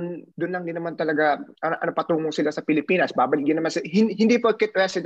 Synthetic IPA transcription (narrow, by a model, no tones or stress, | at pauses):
ʊnd̪ʊnlɐŋd̪ɪnɐmant̪ɐlɐɡaɐʔɐnɐpɐt̪uːŋoŋsɪlasɐpɪlɪpiːnɐsbaːbɐlɪɡjɪnɐmansɪɦɪnhɪnd̪ipokɛt̪̚wɛsɪd̪